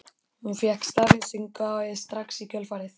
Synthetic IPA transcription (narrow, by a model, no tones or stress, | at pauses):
hunfjakst̪avɪsʏŋkaɛðst̪ɾaksicœlfaɾɪθ